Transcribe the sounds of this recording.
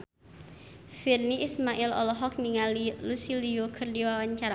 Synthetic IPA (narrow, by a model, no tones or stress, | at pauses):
firniʔismaʔɪlɔ̰lɔɦɔk̚niŋalilusiliokʰərdiwawaɲt͡ʃaɾa